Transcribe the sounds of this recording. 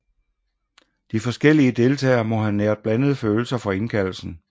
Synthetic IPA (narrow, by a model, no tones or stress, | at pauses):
d̥ifɒ̽sɡ̥el̰iəd̥e̝lt͡sʰɛ̰ːɐmɒ̽ɦæneɐd̥̚b̥lænəð̞̩ˠføːl̩sɐfɒ̽e̝nkʰæl̰l̩sn̩